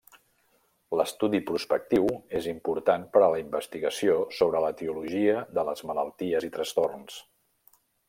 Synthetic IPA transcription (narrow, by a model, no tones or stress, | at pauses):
ləst̪uðipɾuspək̚t̪iwezimpuɾt̪anpəɾələimbəst̪iɣəsiosoβɾələt̪iuluʒiəðələzmələlˠt̪iəzit̪ɾəst̪orns